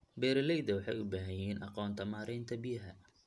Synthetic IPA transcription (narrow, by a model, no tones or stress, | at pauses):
bɛːɾɐlɛjðɐwɑħɑ̰jʊbaːɦɐjɛːnʔɑqɔːnt̪ʰɐmaːɾɛjnt̪ʰɐbɪjɐɦɐ